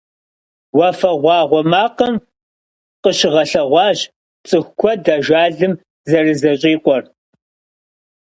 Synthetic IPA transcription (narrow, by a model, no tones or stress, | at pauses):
wɐfɐʁʷɑːʁʷɔmaːqɐm | qəɕɪʁɐɬɐʁʷɑːɕ | t͡sʼɨxʷkʷʰɔdaʒaːɮɨm | zɐrɨzɐɕʼiːqʷʼɔr